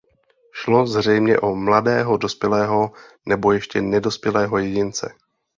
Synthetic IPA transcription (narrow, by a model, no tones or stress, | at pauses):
ʃlo̞zr̝ɛjmɲɛʔomladɛːɦo̞do̞spjɛlɛːɦo̞nɛbo̞jɛʃcɛnɛdo̞spjɛlɛːɦo̞jɛɟɪnt͡sɛ̰